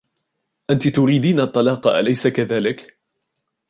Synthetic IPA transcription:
ʔant̪ɪt̪ʊɾiːd̪iːnaʔt̪ˤːɑlɑːqɑʔa̰lajsakaðaːlɪk

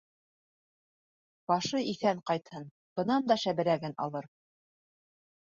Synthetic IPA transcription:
b̥ɑʃɤiθæɴqɑjt̪hɤn | b̥ɤ̆nɑnd̪ɑʃæβɘ̆ɾæɡɘnɑ̰lˠɤɾ

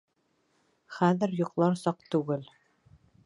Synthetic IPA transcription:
χæðɘ̆ɾjŏqlˠɑɾsɑqt̪ʉɡɘl

